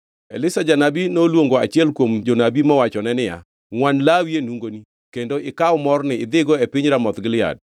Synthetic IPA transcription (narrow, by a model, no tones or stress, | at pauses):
elɪsad͡ʒanabinolwoŋɡoat͡ʃɪɛlkwomd͡ʒonabimɔwat͡ʃɔnɛnɪja̰ | ŋwanlawienuŋɡoni | kendoɪkawmɔrnɪɪd̪ɪɡɔepɪɲɾamɔt̪ɡɪlɪa̰d̚